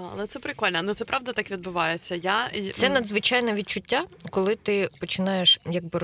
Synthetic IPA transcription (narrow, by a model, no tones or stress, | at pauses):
ɐ̰lˠɛt̪sɛpɾɪkɔlʲnɛnut̪ɛpɾʔɑʋd̪ɐt̪ɑkʋʲid̪̚bʊʋɑjet͡sʲːɐjat̪sɛnɐd̪zʋɪt͡ʃajnɛʋʲid̪̚t͡ʃʊtʲːakɔlˠɪt̪ɪpɔt͡ʃɪnɑjeʃjɐɡ̚bɪ